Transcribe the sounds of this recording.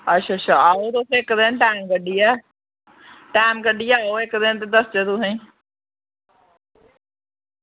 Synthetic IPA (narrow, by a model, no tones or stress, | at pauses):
ətːʃʰaːtːʃʰaːaːoːt̪osɪkːd̪enʈaːmkəɖiːɛː | ʈaːmkəɖiːaːoːɪkd̪ɪnt̪̬ed̪əsd͡ʒeːt̪ʊsẽĩː